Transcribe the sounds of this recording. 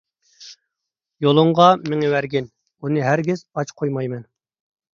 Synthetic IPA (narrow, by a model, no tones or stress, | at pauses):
jolˠʊɴʁɑmɪŋɛwæɾɡʲɪn | unɨɦæɾɡʲɪz̥ɑt͡ʃqʰojmɑjmɛn